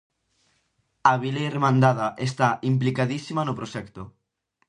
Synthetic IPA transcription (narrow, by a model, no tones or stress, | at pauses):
aβileremãnd̪að̞aʔest̪aʔimp̬likaðisimanopɾoʃɛkt̪o